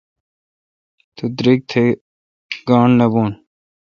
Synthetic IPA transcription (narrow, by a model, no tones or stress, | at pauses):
t̪ʰud̪ɾiɡ̚t̪ʰe | ɡɑːɳnɐboːn